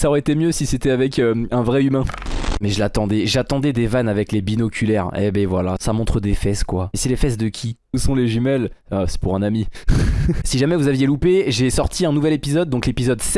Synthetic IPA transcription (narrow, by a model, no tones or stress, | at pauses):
saɔʁɛet̪emjøsiset̪ɛavɛkøɛ̃vʁɛymɛ̃mɛʒəlat̪ɑ̃d̪ɛʒat̪ɑ̃d̪ɛd̪evanavɛklebinɔkʲylɛʁɛ̰bɛvwala̰samɔ̃t̪χəd̪efɛskwaɛsɛlefɛs̬d̪əkʲʰi | usɔ̃leʒymɛl | asɛ̥puʁɛ̃nami | siʒamɛvuzavjelupeʒesɔʁt̪ʰiɛ̃nuvɛlepizɔd̪̚ːɔ̃klepizɔd̪sɛ